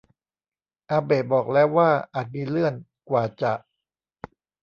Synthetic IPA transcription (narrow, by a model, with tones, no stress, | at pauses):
ʔaː˧beː˨˩t̪̚bɔː˨˩k̚lɛː˦˥wːaː˥˩ʔaː˨˩t̪̚miː˧lɯ˥˩ən | kwaː˨˩t͡ɕa˨˩ʔ